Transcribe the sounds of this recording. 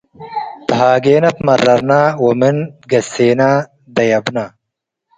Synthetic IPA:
t̪ɐɦaːɡeːnɐt̪mɐɾːɐɾnaːwominɡɐseːnaː | d̪ɐjɐbnaː

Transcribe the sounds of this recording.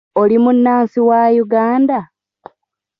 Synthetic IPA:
olimunːaːnsiwajuɡaːnda

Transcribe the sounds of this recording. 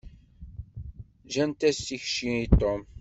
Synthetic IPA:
ʒænt̪æsiçʃiit̪ːom

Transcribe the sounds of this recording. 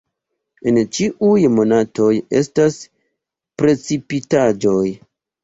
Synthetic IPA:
ent͡ʃiʔujmo̞natoje̞̰stas | pɾe̞t͡sipitad͡ʒo̞j

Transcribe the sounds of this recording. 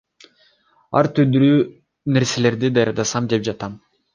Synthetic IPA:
ɑ̰ɾt̪ʰyd̪yɾyː | ne̞ɾse̞le̞ɾd̪id̪ɑjɑɾd̪ɑsɑmd̪e̞p̚d͡ʒɑt̪ɑm

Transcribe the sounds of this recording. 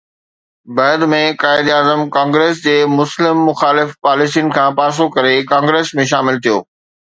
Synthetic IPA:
bɐːd̪mẽkaːɪd̪aːzəmkãːŋɡɾeːs̬d͡ʑeːmʊslɪmːʊxaːlɪfpaːlɪsijʊnɪ̆kʰãːpaːs̬okɐɾekãːŋɡɾeːsmẽʃ̬aːmɪlt̪ʰijo̰ː

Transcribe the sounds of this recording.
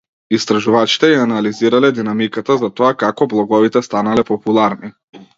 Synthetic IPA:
ist̪ɾaʒuvat͡ʃi̥t̪ɛjaanaliziɾalɛd̪inamikat̪azat̪ɔakakɔblˠɔɡɔvit̪ɛst̪analɛpɔpulˠaɾni

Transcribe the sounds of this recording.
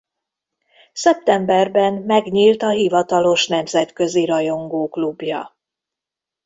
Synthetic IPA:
sɛp̚t̪ɛmbɛrbɛnmɛɡɲiːlt̪ɒɦivɒt̪ɒlo̞ʃn̪ɛmzɛt̪kø̞ziɾɒjo̞ŋɡoːklubjɒ̰

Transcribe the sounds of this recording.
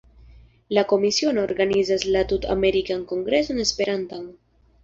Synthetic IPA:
lako̞misio̞noːɾɡanizaslatuta̰me̞ɾikanko̞ŋɡɾe̞so̞ne̞spe̞ɾantan

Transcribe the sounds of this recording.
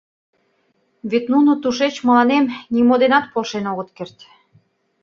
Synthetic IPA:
βet̪nunot̪uʃet͡ɕmɤ̆lɑnemnimod̪enɑt̪̚polʃenoɣə̆t̪kert̪

